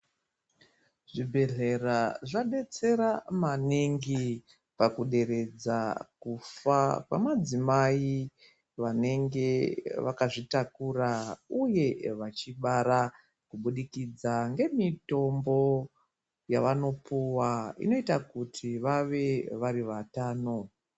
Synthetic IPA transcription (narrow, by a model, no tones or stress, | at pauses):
ʐibʱe̞ɮe̞raʐaɗe̞t͡se̞ɾamaneŋɡi | pakuɗe̞ɾe̞d͡zakufakwa̰mad͡zimai | ʋane̞ŋɡe̞ʋakaʐitakurauje̞ʋat͡ʃiɓaɾa | kuɓuɗikid͡zaŋɡe̞mito̞mbo̞ | jaʋano̞pʰuwaḭno̞itakutʰiʋaʋe̞ʋariʋataːno̞